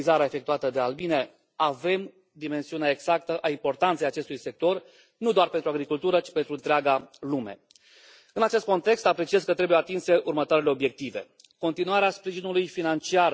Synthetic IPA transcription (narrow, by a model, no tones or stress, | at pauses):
izaɾeae̞fe̞kt̪uat̪əd̪ealbine̞ | ave̞m | d̪ime̞nsiuneeeɡz̥ak̚t̪əʔaimpo̞rt̪ant̪sejat͡ʃe̞st̪ujse̞k̚t̪o̞r | nud̪oarpent̪ɾuaɡɾikult̪uɾət͡ʃi̥pe̞nt̪ɾuɨnt̪ɾeaɡalumḛ | ɨnat͡ʃe̞st̪̚ko̞nt̪e̞kst̪apɾe̞t͡ʃie̞zkət̪ɾebujeat̪inse̞ʔurmət̪oaɾeleo̞bje̞k̚t̪ive̞̰ | ko̞nt̪inuaɾeaspɾiʒinulujfinant͡ʃiar